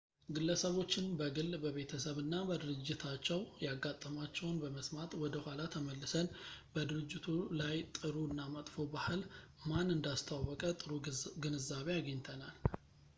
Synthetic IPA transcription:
ɡɨlːəsəβo̞t͡ʃːɪnbəɡɨlbəβe̞t̪ʰəsəβɨnːabəd̪ɨɾɨd͡ʒːɪt̪ʰat͡ʃːɛwjaɡːat̪ʼːəmat͡ʃːɛwnbəməsmat̪ʼwɔd̪əhʷalat̪ʰəməlːɨsənbəd̪ɨɾɨd͡ʒːɪt̪ʰulajt̪ʼɨɾunːamət̪ʼfobahɨl | manɨnd̪ast̪ʰawɔkʼət̪ʼɨɾuɡɨnɨzːaβejaɡəɲt̪ʰənal

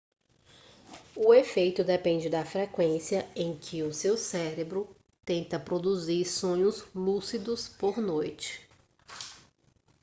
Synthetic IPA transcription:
ʊefejt̪ʊd̪epẽnd͡ʒɪd̪ɐfɾekwẽsiɐẽj̃kʰɪʊsewsɛɾebɾʊ | t̪ẽnt̪ɐpɾod̪uziɾsõɲʊzlusid̪ʊspoɾnojt͡ʃɪ̥

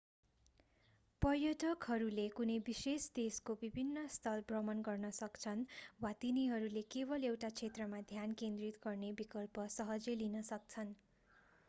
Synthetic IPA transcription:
pʌrjʌʈʌkɦʌɾulekunʌjbisesd̪eskobibʱinːʌst̪ʰʌlbrʌmʌnɡʌrnʌsʌkt͡sʰʌnwat̪iniɦʌɾulekebʌlewʈat͡sʰet̪rʌmad̪ʱjankend̪rit̪ɡʌrnebikʌlpʌsʌɦʌd͡zelinʌsʌk̚t͡sʰʌn

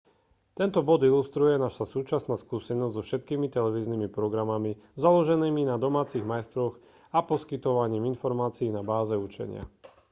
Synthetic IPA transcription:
t̪ɛnt̪ɔbɔd̪ilust̪ɾujɛnaʃasuːt͡ʃasnaːskuːsɛnɔzzɔfʃɛt̪kiːmit̪ɛlɛʋiːznimipɾɔɡɾamami | zalɔʒɛniːminad̪ɔmaːt͡siɣmajst̪ɾɔɣ | apɔskit̪ɔʋaɲiːminfɔɾmaːt͡siːnabaːzɛut͡ʃɛ̰ɲɪa̰

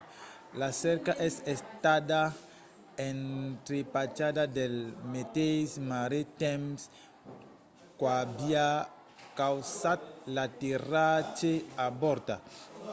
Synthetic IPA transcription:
lasɛɾkaʔɛsest̪ad̪a | ent̪ɾepat͡ʃad̪ad̪elmet̪esmaɾet̪ɛms | kwabia | kawsat̪̚lat̪irat͡ʃeabɔɾt̪a

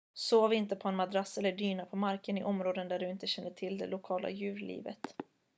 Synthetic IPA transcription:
soːvɪnt̪əpʰɔɛnmad̪ɾasːɛlːəɖyːnapʰɔmaɾkənɪʔɔmɾoːd̪ənd̪æɖɵɪnt̪əɕɛnːəʈʰɪld̪ɛ̰lʊkʰɑːlʔa̰jʉ̟ːɾlḭːvə̰t̪

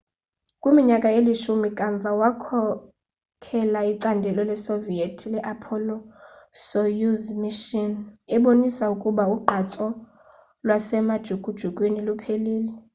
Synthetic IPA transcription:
kʼwimiɲakʼaeliʃumikʼaɱb̪vʱawakʰɔ | kʰɛlaiǀandʱɛlɔlɛsovietʰilɛʔapʰɔlɔsojuzmiʃɔnɛɓonisaukʼuɓauɡ͡ǃʱat͡sʼɔ | lwasɛmad̥ʒ̥ʱukʼud̥ʒ̥ʱukʼwenilupʰeliːlɛ

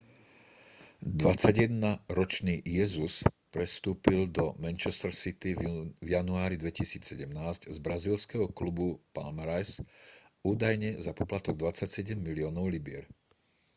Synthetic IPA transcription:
d̪ʋat͡sːaɟjɛd̪naɾɔt͡ʃniːjɛzuspɾɛst̪uːpild̪ɔmɛnt͡ʃɛst̪ɾ̩sit̪ivjanuaːɾid̪ʋɛcisiːt͡sːɛɟɛmnaːzczbɾaziːlskɛɦɔklubupa̰lmɾajs | uːd̪ajɲɛzapɔplat̪ɔɡd̪ʋat͡sacsɛɟɛmːiliɔːnɔʊlibɪɛ̰ɾ

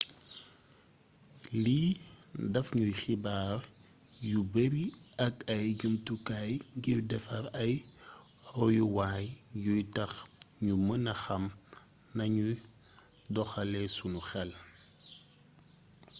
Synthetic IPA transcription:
lidɐfɲujxibaːr | jubeɾiɐkɐjɡəmtukajŋɡirdɛfɐɾɐj | ɾɔjuwaːjjujtɐxɲumənɐxɐm | nɐɲuj | dɔxɐlɛsunuxɛl

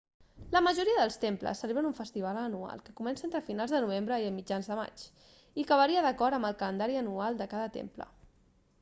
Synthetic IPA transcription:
ləməʒuɾiəðəlˠst̪emplə̰sːəleβɾənuɱfəst̪iβ̞alənua̰lˠkəkumɛnsəent̪ɾəfinalˠzðənuβ̞embɾəiəlˠmid͡ʒanzðəma̰t͡ʃ | ikəβəɾiəðəkɔɾəmbəlˠkələnd̪aɾiənualˠd̪əkaðət̪ḛmplə̰

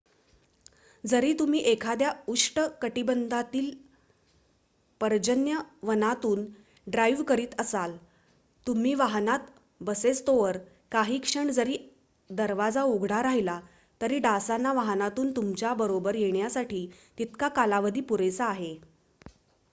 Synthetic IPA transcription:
d͡zəɾiːt̪um̤iːʔekʰad̪jauʂʈəkəʈibənd̪ʱat̪iːl | pəɾd͡ʑənjəʋənat̪uːn | ɖɾajʋkəɾiːt̪əsal | t̪um̤iːʋaɦnat̪ | bəset͡st̪oʋəɾ | kaɦiːkʂəɳd͡zəɾiː | d̪əɾʋad͡zauɡʱɽ̃aɾaɦila | t̪əɾiːɖasanːaʋaɦnat̪uːnt̪umt͡ɕjabəɾobəɾjeɽjasaʈʰiːt̪it̪kakalaʋəd̪iːpuɾesaːɦe

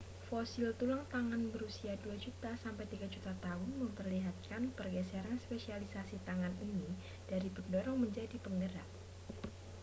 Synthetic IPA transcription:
fosilt̪ulaŋt̪aŋanbəɾusiaduad͡ʒut̪asampajt̪iɡad͡ʒut̪at̪aɦʊnməmpərliɦat̪̚kanpərɡɛsaɾanspesialisasit̪aŋanini | d̥aɾipəndɔɾɔŋməɲd͡ʒadipəŋɡəɾak̚

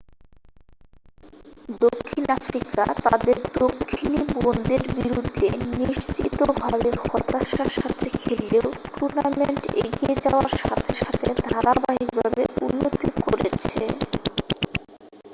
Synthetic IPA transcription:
d̪okʰːinafɾika̰t̪ad̪eɾd̪okʰːinibond̪eɾbiɾud̪ʱːeniʃt͡ɕit̪obʱabexɔt̪aʃaʃat̪ʰekʰelːeoʈuɾnameɳʈḛɡied͡ʑaoaɾʃa̰t̪ʰeʃat̪ʰed̪ʱaɾabaɦik̚bʱabeṵnːot̪ikoɾet͡ɕʰe

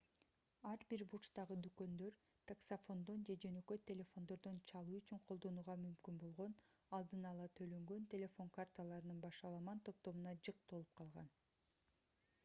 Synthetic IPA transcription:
ɑɾbiɾbut͡ʃt̪ɑʁɯd̪ykø̞nd̪ø̞ɾ | t̪ʰaksafo̞nd̪o̞nd͡ʒe̞d͡ʒø̞nø̞kø̞t̪ʲːe̞lʲe̞fo̞nd̪o̞ɾd̪o̞nt͡ʃʰɑlˠuːyt͡ʃyɴqʰolˠd̪o̞nuːʁɑmymkynbo̞lˠʁo̞nɑlˠd̪ɯnɑlˠɑt̪ʰølø̞ŋɡø̞nt̪ʲe̞lʲe̞fo̞ŋkart̪alˠɑɾɯnɯnbɑʃɑlˠɑmɑnt̪ʰo̞p̚t̪o̞munɑd͡ʒɯq̚t̪o̞lˠup̚qʰɑlˠʁɑ̰n

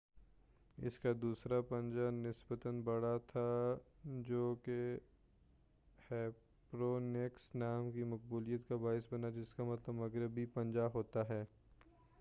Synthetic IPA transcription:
ɪ̰skad̪uːsɾapɐ̃nd͡ʒanɪsbət̪ənbɐɽat̪ʰa | d͡ʒoːke | hɛː | pɾoːneksnaːmkimɐk̚buːlijət̪kabaːɪsbɐnad͡ʒɪskamɐt̪ləbmɐɡɾɪbipɐ̃nd͡ʒaɦoːt̪aɦɛː

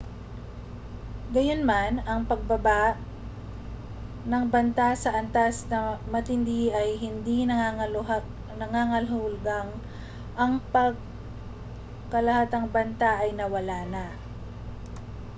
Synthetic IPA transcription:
ɡɐjonmanɐŋpɐɡ̚bɐba | nɐŋbɐnt̪asɐʔɐnt̪asnɐmɐt̪ɪnd̪iʔɐjɦɪnd̪inɐ | nɐŋaŋɐlhʊʊlɡaŋ | ʔɐŋpɐɡ̚ | kɐlɐhat̪ɐŋbɐnt̪aʔɐjnɐwɐlaːnɐ

